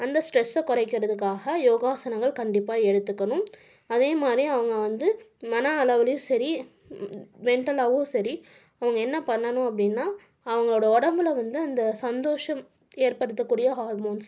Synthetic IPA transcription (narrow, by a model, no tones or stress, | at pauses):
ɐnd̪ɐsʈɾɛsːɛkːɔrɐɪkːɪɾɐðɯkːaːɣɐjoːɣaːsɐnɐŋɡɐɭkɐɳɖɪpːaːɛɽɯt̪ːɯkːɐɳʊ̃ | ɐðeːmaːd̪ɾiɐʋɐŋɡɐʋɐnd̪ɯmɐnɐɐlɐʋɐlɐjʊ̃sɐɾi | mɛɳʈɐlaːʋoːsɐɾi | ɐʋɐŋɡɐɛnːɐpɐɳːɐnʊ̃ɐp̬ːɐɽɪnːaː | ɐʋɐŋɡɐɭoːɽɐɔɽɐmbɪlɐʋɐnd̪ɯɐnd̪ɐsɐnd̪oːʂɐm | eːɾpɐɽɯt̪̬ːɐkːuːɽɪjɐɦaːɾmoːns